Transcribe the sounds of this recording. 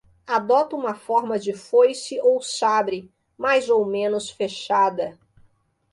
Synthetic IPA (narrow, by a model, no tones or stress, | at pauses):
ad̪ɔt̪ʊũmɐfɔɾmɐd͡ʒɪfojsɪʔowsabɾɪ | majzowmẽnʊsfeʃad̪ɐ